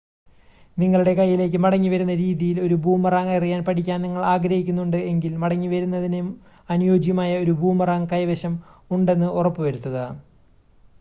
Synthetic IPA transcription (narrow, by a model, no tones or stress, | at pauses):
niŋːɐɭuɽe̞kɐjːile̞ːk̬ʲːɨmɐɽɐŋːiʋɐɾunːɐɾiːðijilo̞ɾubʱuːmɐraːŋɐrijaːnpɐʈʰikʲːaːnniŋːɐɭaːɡɾɐhikʲːunːuɳɖɨe̞ŋɡilmɐɽɐŋːiʋɐɾunːɐðinjm | ɐnujo̞ːd͡ʑjɐmaːjɐo̞ɾubʱuːmɐraːŋkɐjʋɐɕɐmuɳɖe̞nːɨʔurɐpːɨʋɐɾut̪ːɐðɐ